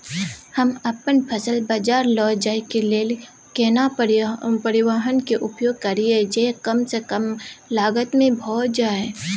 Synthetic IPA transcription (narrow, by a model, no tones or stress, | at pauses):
hɐmɐpənpʰəsəlbaːd͡ʒaːɾlɔːd͡ʒaːikeleːl | keːna | pəɾɪwaːɦənkeʔʊpjoːɡ̚kɐɾied͡ʒekəmsekəmlaːɡət̪mẽbʱɔːd͡ʒaːe